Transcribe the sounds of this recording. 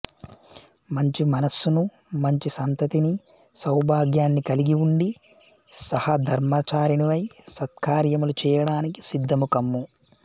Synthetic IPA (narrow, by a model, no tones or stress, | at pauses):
mɐɲt͡ʃimɐnɐsːunu | mɐɲt͡ʃisɐnt̪ɐt̪ini | sɐwbʱaːɡjaːnːikɐliɡiwuɳɖi | sɐhɐd̪ʱɐɾmaːt͡ʃaːɾinuʋɐjsɐt̪̚kʰaːɾjɐmulut͡ʃɛːjɐɽaːniki̥sid̪ʱːɐmukɐmːu